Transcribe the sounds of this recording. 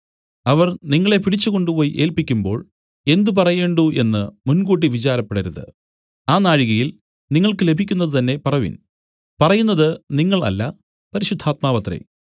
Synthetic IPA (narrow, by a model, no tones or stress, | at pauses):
ɐʋɐrniŋːɐɭe̞piɽit͡ɕːuko̞ɳɖupo̞ːjiʔe̞ːlpikʲːumbo̞̰ːɭ | e̞nd̪up̬ɐrɐje̞ːɳɖuʔe̞nːɨmunɡuːʈ̬ːiʋit͡ɕaːɾɐpːeɽɐɾuðɨ̰ | aːnaːɻiɣɐjil | niŋːɐɭkɨle̞bʱikʲːunːɐðɨt̪ɐnːe̞pɐrɐʋḭn | pɐrɐjunːɐðɨniŋːɐɭɐ̰lːɐ | pɐɾiɕud̪ʱːaːt̪̚maːpɐt̪rḛ